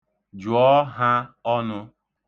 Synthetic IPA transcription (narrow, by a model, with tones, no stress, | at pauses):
d͡ʒʊ˨ɔ˦ɦa˦ɔ˦nʊ˦